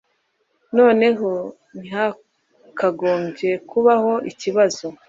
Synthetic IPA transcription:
no̞ːne̞ɦo | nha | kaɡoːmɟe̞kuβaho̞ʔiciβazo

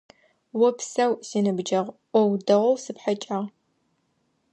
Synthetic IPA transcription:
wɔpsɐwsiːnɨbd͡ʒɐʁʔʷɔwdɐʁʷɔwsɨpħat͡ʃʼaʁ

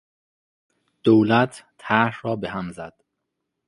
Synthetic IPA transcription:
d̪̥owlæt̪ʰːæhɾɒːbeɦæmzæd̪̥

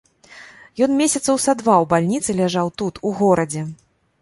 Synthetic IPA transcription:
jɔnmʲesʲɐt̪sɐwsad̪vawbalʲnʲit̪sɨlʲaʐawt̪ut̪uɣɔɾɐd͡zʲɛ

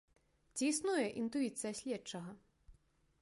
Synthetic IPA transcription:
t͡sʲiisnujɛʔint̪uit̪sɨjɐsʲlʲɛt͡ʂɐɣɐ

